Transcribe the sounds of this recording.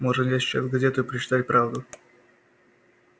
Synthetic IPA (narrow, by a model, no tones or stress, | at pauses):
moʐɨnjaɕʲa̰zʲɡɐzʲet̪ʊɪpɾət͡ɕɪ̥t̪atʲpɾavd̪ʊ